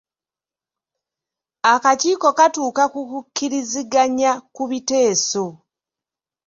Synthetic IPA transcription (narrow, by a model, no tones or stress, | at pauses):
akaciːko̞katuːkakukukʰːiɾiziɡaɲakuβite̞ːso̞